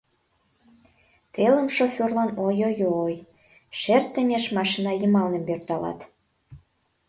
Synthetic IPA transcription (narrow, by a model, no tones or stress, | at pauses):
t̪eləmʃofʲorlɑnojojoːj | ʃert̪əmʲeʃmɑʃinɑjəmɑlnə̆mpørt̪ɑlɑ̰t̪